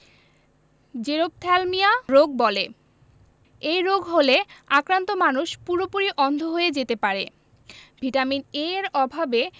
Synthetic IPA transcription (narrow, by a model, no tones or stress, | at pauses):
d͡ʑeɾob̚t̪ʰɛlmiaɾoɡ̚bɔle | ejɾoɡɦoleakɾant̪omanuʃpuɾopuɾiʔɔnd̪ʱoɦoed͡ʑet̪epaɾḛ | bʱiʈamineɾɔbʱabe